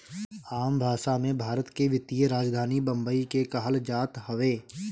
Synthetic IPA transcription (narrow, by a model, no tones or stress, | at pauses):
aːmbʱaːʃamẽbʱaːɾət̪keʋɪt̪ijəɾaːd͡ʒd̪ʱaːnibɐ̃mbəikekaɦəld͡ʒaːt̪ɦəʋeː